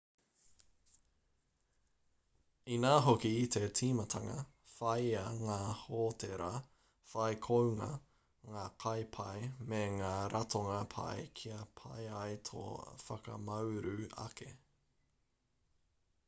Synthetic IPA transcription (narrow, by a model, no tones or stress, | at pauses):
inaːɦokit̪ʰe̞tʰiːmɐt̪ʰɐŋɐ̰ | fɐjɐŋaːhoːt̪ʰeɾʔa | fɐjkʰowŋɐ | ŋaːkʰɐjpʰɐjmeŋaːɾʔɐt̪ʰoŋɐpʰɐ̰jkʰiɐpʰɐ̰jɐjt̪ʰo̰fɐkɐ̰mɐwɾʉɐ̰kʰḛ